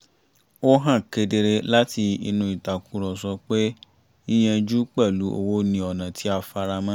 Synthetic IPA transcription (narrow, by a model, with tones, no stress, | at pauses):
o˦ɦã˦˨ke˧de˧ɾe˧la˦ti˧ḭ˧nũ˧i˨ta˨kũ˨˦ɾɔ̃˨sɔ˧k͡pe˦ | i˦j̃ɛ̃˧d͡ʒu˦k͡pɛ˦˨lu˨˦ʔo̰˧wo˦nĩ˧ɔ˨nã˨tʰi˨˦a˧fa˧ɾa˧mã˦